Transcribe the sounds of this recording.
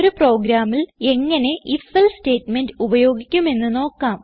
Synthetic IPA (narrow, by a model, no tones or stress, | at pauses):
ɾupro̞ːɡɾaːmile̞ŋːɐne̞ʔifelste̞ːtmendɨubɐjo̞ːɡikʲːume̞nːɨno̞ːkːaːm